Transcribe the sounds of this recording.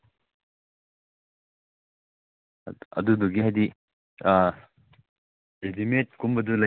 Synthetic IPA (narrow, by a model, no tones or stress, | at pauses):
ɐ̰duduɡiɦajdi | ɾedimet̚kumbɐdulɐ